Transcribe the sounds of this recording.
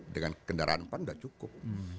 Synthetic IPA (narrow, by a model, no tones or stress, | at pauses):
dəŋanəkəndaɾa̰anpandaʔt͡ʃukʊp̚